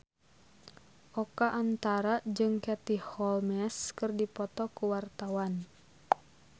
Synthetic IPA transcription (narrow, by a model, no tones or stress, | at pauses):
ʔɔkaʔant̪aɾad͡ʒɨŋkɛt̪ihɔlmɛskɨrdipɔt̪ɔkuwart̪awan